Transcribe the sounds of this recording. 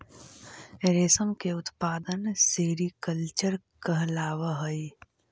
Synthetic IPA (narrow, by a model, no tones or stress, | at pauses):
ɾeːsəmkeʊt̪paːd̪ənseːɾikəlt͡ʃəɾ | kɐɦlaːʋəɦɐi